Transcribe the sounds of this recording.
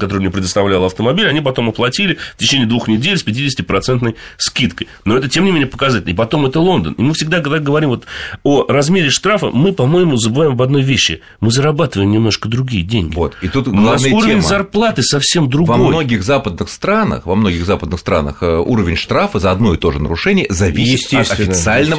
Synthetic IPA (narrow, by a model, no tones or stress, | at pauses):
kɐt̪oɾɨmnʲapɾʲɪd̪əst̪ɐvlʲalˠəɐft̪əmɐbʲilʲɐnʲipɐt̪o̞mɐplˠɐtʲilʲɪfʲtʲɪt͡ɕenʲijəd̪vuxnʲɪdʲelʲsʲpʲɪtʲidʲɪsʲɪtʲɪpɾɐt̪sɛnt̪nəjskʲit̪kəjno̞ɛt̪ətʲemnʲɪmʲenʲɪəpəkɐzatʲɪlʲnəɪpɐt̪o̞mɛt̪əlˠo̞nd̪ə̰nɪmɨfsʲɪɡ̚d̪akd̪ɡəvɐɾʲimvot̪orɐzmʲeɾʲɪʂt̪ɾafə̰mɨpɐmo̞jɪmʊzəbɨvaɪmɐbɐd̪no̞jvʲeɕːɪ̰ | mɨzəɾɐbat̪ɨvəjɪmnʲɪmno̞ʂkəd̪ɾʊɡʲijədʲeŋʲɡʲo̞̰t̪it̪ut̪ɡɡlnˠaavəjuɾəvʲɪnʲmzɐrplˠat̪ɨsɐfsʲe̞md̪ɾʊɡvɐmojnoɡʲɪɣzapəd̪̚nɨxst̪ɾanə̰xvɐmno̞ɡʲɪɣzapəd̪nɨxst̪ɾa̰nə̰xuɾəvʲɪnʲʂt̪ɾafəzɐɐd̪no̞jɪt̪o̞ʐɨnə̰ɾʊʂɛnʲɪjəzɐvʲisʲɪsʲt̪t̪ʲestɐfɪt̪sɨalʲnə